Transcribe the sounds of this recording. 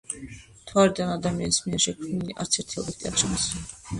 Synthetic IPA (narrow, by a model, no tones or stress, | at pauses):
t̪ʰwaɾid̪anad̪amia̰nismiɛɾʃɛkʰmniliʔa̰ɾt̪sʰɛɾt̪ʰiɔbɛt̪ʼia̰ʃʰans